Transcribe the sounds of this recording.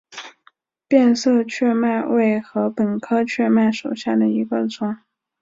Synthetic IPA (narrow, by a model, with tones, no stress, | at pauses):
pjɛ˥˧nsɤ˥˧t͡ɕʰɥɛ˥˧ma˥˧ɪwʔe˥˩ɪxɤ˧˥pə˨˩nkʰɤ˥t͡ɕʰɥɛ˥˧ma˥˩ɪʂo˨˩ʊɕja˥˩d̪ə˩i˧˥kwa˥˩nt͡sʊ˥ŋ